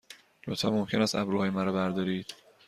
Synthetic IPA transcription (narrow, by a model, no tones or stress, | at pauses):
lot̪fɒ̰momcʰe̞næst̪æbɾuːhɒːjemæɾɒbæɾd̪ɒːɾiːd̪̥